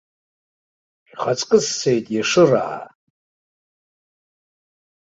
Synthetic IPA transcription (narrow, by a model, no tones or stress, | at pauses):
χat͡sʼkʼɨsːejtʼjaʂɨra̰a̰